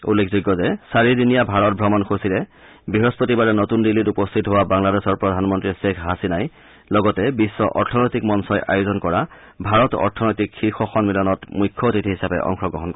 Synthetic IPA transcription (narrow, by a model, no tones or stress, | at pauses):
ṵlːekʰzuɡːɔzɛsaɹidinijabʱaɹɔt̚bʱɹɔmɔnkosilɛ | biɦɔspotibaɹɛnotundilːitupɔstʰitɦowabaŋladesɔɹpɹɔdʱanmɔntɹisekʰɦasinaj | lɔɡɔtɛbisːɔʔɔɹtʰɔnɔjtikmɔnsɔjʔajozɔnkɔɹa | bʱaɹɔtɔ̰ɹtʰɔnɔjtikxixɔxɔnmilɔnɔtmujkʰːɔtitʰiɦisapɛ̰ʔɔ̰ŋxɔɡɹɔɦɔnkɔ